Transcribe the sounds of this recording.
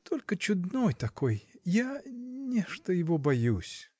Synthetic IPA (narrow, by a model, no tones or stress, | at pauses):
t̪ʰolʲkət͡ɕʊd̪nojt̪ɐko̞jjanʲeʂt̪əjɪvobɐjusʲ